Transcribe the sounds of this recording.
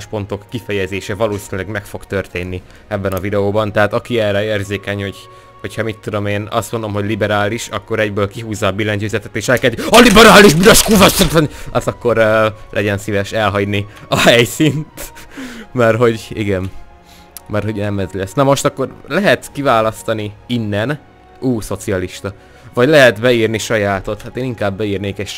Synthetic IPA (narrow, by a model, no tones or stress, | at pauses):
ʃpo̞nt̪o̞kːifɛjɛzeːʃɛvɒloːsinylɛɡmɛkfo̞kt̪ørt̪eːnːi | ɛbːɛnɒvid̪ɛoːbɒnt̪ɛɦaːt̪ɒkiɛrɛeːrzeːkɛɲho̞ɟ | ho̞chɒmit̪ːud̪o̞meːnɒ̰st̪mo̞nd̪o̞mɦo̞ɟlibɛɾaːliʃɒkːo̞ɾɛɟbøːlkiɦuːzːɒːbilɛɲtøːzɛt̪ɛt̪eːʃɛlkɛzd̪iɒlibɛɾaːliʒbyɾɒʃkuːvɒt̪ot̪ɒnɒzɒkːo̞ɾøːlʔɛ̰ɟɛnsivɛʃɛlɦɒɟniɒɦhɛjsint̪ | mɛrɦo̞ɟḭɡɛn | mɛrho̞ɟnɛmɛzlɛsːnɒmo̞ʃt̪ɒkːo̞rlɛɦɛt̪kivaːlɒst̪ɒniinːɛn | uːso̞t̪siɒliʃt̪ɒ | vɒɟlɛɦɛt̪bɛiːrniʃɒjaːt̪o̞t̪hat̪eːniŋkaːbːɛiːrneːkɛʃ